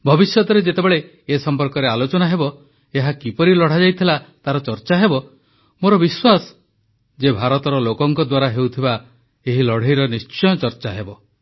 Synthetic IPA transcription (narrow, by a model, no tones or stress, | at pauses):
bʱɔbisjɔt̪ɔɾed͡ʒet̪ebeɭe | esɔmpɔɾkɔɾealot͡ʃɔnaɦebɔ | eɦakipɔɾilɔɽ̤ad͡ʒajt̪ʰilat̪aɾɔt͡ʃɔɾt͡ʃaɦebɔ | moɾɔbiswasɔ̥ | d͡ʒebʱaɾɔt̪ɔɾɔlokɔŋkɔd̪waɾaɦewt̪ʰiba | eɦilɔɽ̤eiɾɔnist͡ʃɔjɔt͡ʃɔɾt͡ʃaɦebɔ